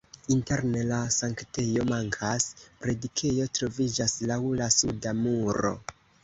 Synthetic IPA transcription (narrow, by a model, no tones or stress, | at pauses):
inte̞ɾne̞lasaŋkte̞jo̞maŋkʰaspɾe̞dikʰe̞jo̞tɾo̞vid͡ʒaslawlasudamuɾo̞̰